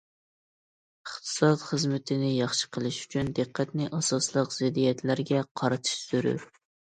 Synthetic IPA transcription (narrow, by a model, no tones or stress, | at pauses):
əχt̪ʰɨ̥sɑt̪χəzmɪt̪ʰɪnɪjɑχʃə̥qʰəlˠɨʃy̥t͡ʃʰynd̪ɨqʰːæt̪nɪʔɑsɑslˠəqzɪd̪ijɛt̪læɾɡʲɛqʰɑɾɨt̪ʰɨ̥ʃsyɾy̰ɾ